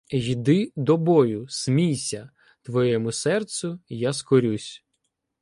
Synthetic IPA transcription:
jid̪ɪd̪ɔbɔjʊsmʲijsʲɐ | t̪ʋɔjɛmʊsɛrt̪sʊjaskɔɾʲusʲ

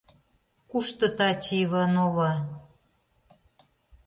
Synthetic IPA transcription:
kuʃt̪ɤ̆t̪ɑt͡ɕiβɤnoβɑ

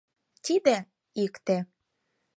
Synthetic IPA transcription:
t̪id̪e | ikt̪e

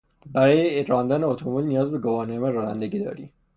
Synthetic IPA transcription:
bæɾɒːjeeɾɒːnd̪æneot̪ʰomulnijɒːzbeɡovɒːnemæɾɒːnæ̰nd̪eɡiːd̪ɒ̰ːɾḭː

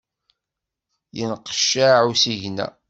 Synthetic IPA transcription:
jənqə̥ʃːaʕusiʝnæ̰

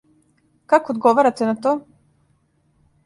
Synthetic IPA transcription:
kakoːd̪ɡoʋaɾat̪enat̪o

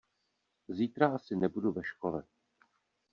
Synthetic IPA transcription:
ziːt̪ɾaʔasɪnɛbuduvɛʃkolɛ̰

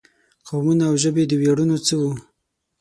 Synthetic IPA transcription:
qawmunaːwʒəbed̪əweɽunot͡səwu

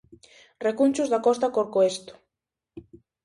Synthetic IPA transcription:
rekunʲt͡ʃuzðakɔst̪akoɾkoest̪o̥

